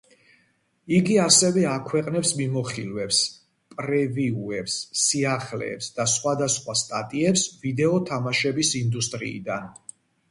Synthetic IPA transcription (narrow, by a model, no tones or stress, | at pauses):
iɡiasɛvɛakʰwɛqʼnɛpsmimɔχilvɛps | pʼɾɛviuɛpsːiaχlɛ̰ːpsd̪asχwad̪asχwast̪ʼat̪ʼiɛpsvid̪ɛɔt̪ʰamaʃɛbisind̪ust̪ʼɾḭːd̪an